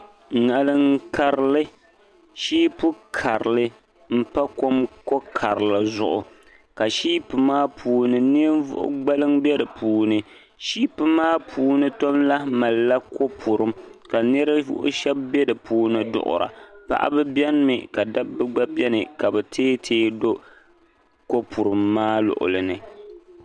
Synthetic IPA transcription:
ŋa˨lɨ˦ŋ˦ka˨ɾɪ˨˦lɨ˦ | ʃiː˦pʊ˦kʰa˨ɾɨ˨lɨ˦ | m̩˦pa˦ko˦mko˦kʰa˨ɾɨ˨lɨ˨zʊ̰˨ʔʊ˨ | ka˨ʃiː˦pɨ˨maː˦pʰuː˨nɨ˨ni˦n˦vʊ̰˦ʔʊ̰˦ɡ͡ba˦lɨ˦ŋbɛ˦dɨ˨pʰuː˨nɨ˨ | ʃiː˦pɨ˨maː˦pʰuː˨nɨ˦to˦mla˦ma˨lːa˦ko˦pʰu˨ɾɨ˦mka˨nɨ˦ɾa˦vʊ̰˦ʔʊ̰˦ʃɛ˦b̚bɛ˦dɨ˨pʰuː˦nɨ˦dʊ̰˨ʔʊ̰˨ɾa̰˨pa̰˦ʔa̰˦bɨ˦bɛ˦n˦mɨ˨ka˨da˦bːɨ˦ɡ͡ba˦bɛ˦nɨ˨ka˨bɛ˨tʰeː˦tʰeː˦do˦ | ko˦pʰu˨ɾɨ˨mːaː˦lʊ̰˨ʔʊ̰˨lɨ˨nɨ˨

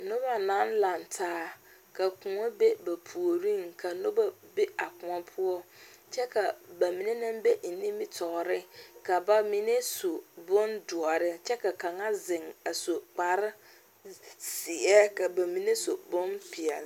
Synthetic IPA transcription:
nʊ˦ba˨nã˨˦nla˨ntʰaː˦˨ | ka˨kʊ˨ŋɔ˦be˦ba˨pʰu˨o˨ɾĩ˦ŋkʰa˨no˦ba˨be˦a˨kʊ̃˨ɔ˦pʰʊ˦ɔ˦t͡ʃɛ˦ka˨ba˨mĩ˨ne˦nɪ̃˦mbe˦n̩˨nĩ˦mɪ˦tʰɔ˨ɾɪ˦ka˨ba˨mi˨ne˦so˨bʊ˦ndʊ˨ɔ˨ɾɪ˦t͡ʃɛ˦ka˨ka˨ŋa˦zɪ˨ŋa˨so˨k͡pa˨ɾɪ˦ | si˨ɛ˦ka˨ba˨mĩ˨ne˦so˨bʊ̃˦npɪ˨ɛ̰˨l

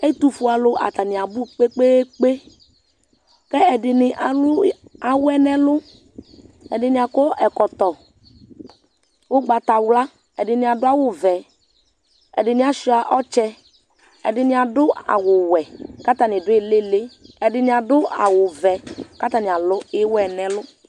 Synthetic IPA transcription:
ɛ˦t̪u˨fu˨a˨lʊ˦ʔa̰˨t̪a˨nɪ˨a˨bʊ˦k͡pe˦k͡pe˦k͡pe˦ | kɛ˦ɛ˨dɪ˨nɪ˨ʔa˨lʊ˦a˨wɛ˦nɛ˦lʊ˦ | ɛ˨dɪ˨nɪ˨a˨kɔ˦ɛ˨kɔ˨t̪ɔ˨ | wʊ˦ɡ͡ba˨ta˨wla˦ | ɛ˨dɪ˨ni˨˦a˨dʊ˦a˦˨wʊ˨vɛ˨ | ɛ̰˨dɪ˨ni˦a˨ʃi˦a˨ʔɔ˦t͡ʃɛ˧ | ɛ̰˨dɪ˨nɪ˦a˨dʊ˦a̰˨wʊ˨wɛ˨ka˦ta˨nɪ˨dʊ˦ɪ˦˨lɪ˦le˦ɛ˨dɪ˧ni˨a˨dʊ˦a̰˨wʊ˨vɛ˨ka˦ta˨ni˨a˨lʊ˨˦ɪ˦wɛ˨nɛ˨lʊ˦

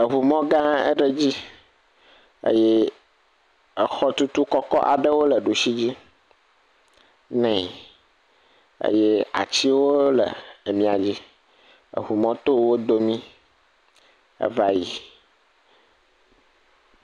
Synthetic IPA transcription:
ə˨ɦu˨mɔ̃˦ɡã˦ə̰˦ɖə˦d͡ʑi˦ | ḛ˦jɛ˦ | ə˨xɔ˦t̪u˦t̪u˦kɔ˦kɔ̰˦ʔa̰˨ɖə˦wo˦lə˨ɖu˨si˦d͡ʑi˦ | nɛ̃˨ | ḛ˦jɛ˦a̰˨t͡ɕi˦wo˦lə̰˨mĩ˨a˨d͡ʑi˦ | ə̰˨ɦu˨mɔ̃˦t̪o˦wo˦d̪o˦mĩ˦ | ə̰˨va˨ji˨

